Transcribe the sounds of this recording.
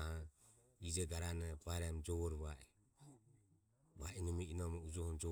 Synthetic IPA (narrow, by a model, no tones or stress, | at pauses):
ha | id͡ʒɛɡaɾanabaɛɾamd͡ʒɔβɔɾβaʔi | βainɔmiinɔmɔud͡ʒɔhɔmd͡ʒɔ